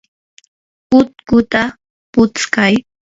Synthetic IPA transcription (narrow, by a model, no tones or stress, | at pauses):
kʊt̪̚kʊt̪a | pʊt͡skaj